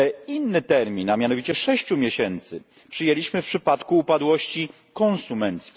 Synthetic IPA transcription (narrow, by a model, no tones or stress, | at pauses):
inːɘt̪ɛɾmʲinamʲjanɔvʲit͡ɕɛʂɛɕt͡ɕumʲjeɕɛnt̪sɘ̰ | pʂɘjɛlʲiɕmɘfpʂɘpat̪kuːpad̪wɔɕt͡ɕi | kɔ̃nsumɛnt̪skʲ